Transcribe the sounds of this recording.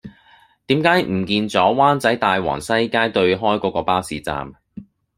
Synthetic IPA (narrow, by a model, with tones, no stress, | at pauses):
t̪iː˨˥mkaː˨˥jm̩˨˩kiː˧nt͡sɔː˨˥waː˥nt͡sɐ˨˥jt̪aː˨jwa̰ː˨˩ŋsɐ˥jkaː˥jt̪ɵ˧ɥɦɔː˥jkɔː˨˥kɔː˧paː˥wsiː˨˥t͡sa̰ː˧m